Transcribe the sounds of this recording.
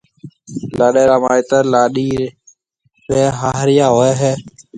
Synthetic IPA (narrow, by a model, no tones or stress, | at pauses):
laːɗeːɾaːmaːɪt̪əɾlaːɗiː | ɾeːɦaːɦɾɪjaːɦoːeːɦeː